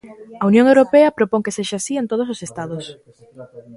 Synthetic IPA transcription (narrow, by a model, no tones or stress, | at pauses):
ɐunjõŋewɾopeɐpɾopoŋkeseʃaasient̪oð̞ososest̪aðos